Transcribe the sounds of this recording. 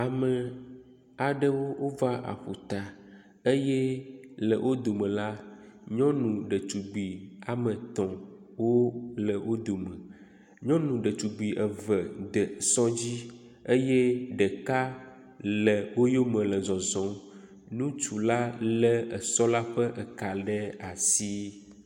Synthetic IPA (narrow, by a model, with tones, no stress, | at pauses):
a˨mə˨ | a˨ɖə˦wo˦wo˦va˦ʔa̰˨ɸu˨t̪a˨ | ə˦jɛ˦lə˨wʔo˦d̪o˨mə̃˨la˦ɲɔ̃˦nũ˨ɖə˨t͡ʃu˨ɡ͡bi˨a˨mə̃˨t̪ɔ̃˨wo˦lə˨wʔo˦d̪o˨mə̃˨ | ɲɔ̃˦nũ˨ɖə˨t͡ʃu˨ɡ͡bi˨ʔə˨və˨d̪ə˨sɔ̃˦d͡ʑi˦ | ə˦jɛ˦ɖə˨ka˦ | lə˨wo˦jo˦mə̃˨lə˨zɔ̃˨zɔ̃˨ | nũ˦t͡ʃu˨la˦lɛ˦ə˨sɔ˦la˦ɸə˦ʔə˨ka˨ɖɛ˦a˨si˦